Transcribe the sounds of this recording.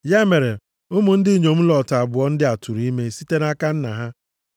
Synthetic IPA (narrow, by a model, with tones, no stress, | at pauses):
ja˦me˨ɾe˨ | ʊ˦mʊ˨n̩˦dɪ˦ɲo˨m̩˦lɔ˨ta˨bʊ˨ɔ˦n̩˦dɪ˦a˨tʰu˨ɾi˦me˦si˦te˦na˦ka˦n̩˦na̰˨ɦa˦